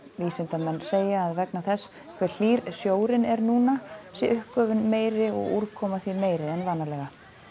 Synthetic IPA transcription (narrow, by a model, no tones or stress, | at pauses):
viːsɪnt̪amɛnːseːjaːðvɛknaθɛs | kʰvɛɾ̥l̥iːɾsjoːwɾɪnɛɾnuːnasjɛʔʏhkœːvʏnmeːjɾɪɔ̰ɣuɾkʰɔːmaθimeːjɾɪɛnvaːnalɛɣa